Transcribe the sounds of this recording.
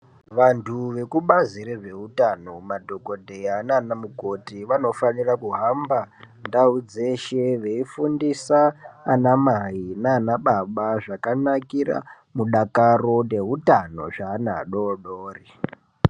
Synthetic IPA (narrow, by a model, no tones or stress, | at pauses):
ʋantʰuʋe̞kuɓaziɾeʐe̞ɦutanomadʱoko̞dʱeananamuko̞tiʋano̞fanirakuɦamba | ndaud͡ze̞ʃeʋe̞ifundisaːnamainaːnaɓaɓaʐakanakira̰ | muɗakaro̞nde̞ɦutano̞̰ʐaːna̰ɗoɗoːri